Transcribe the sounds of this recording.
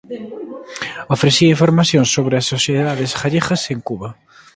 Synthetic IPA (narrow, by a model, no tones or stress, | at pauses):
ofɾeθiɐiɱfoɾmaθjõŋsːoβɾɪɐsːoθjeðaðesxaʎeɣɐseŋkuβɐ